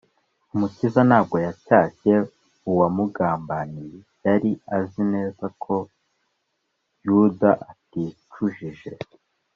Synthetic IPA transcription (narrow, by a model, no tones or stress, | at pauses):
umucizanaːb̚ɡo̞jacaːce̞ | uwamuɡaːmbani | jaɾiazine̞ːzakʰo̞ | judaʔatit͡ʃuʒiʒe̞